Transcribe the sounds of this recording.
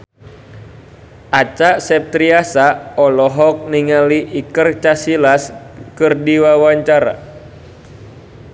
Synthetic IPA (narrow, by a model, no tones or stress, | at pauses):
ʔat͡ʃaʔsɛp̚t̪ɾiasaɔlɔɦɔk̚niŋaliʔikərt͡ʃasilas | kɨrdiwawaɲt͡ʃaɾa̰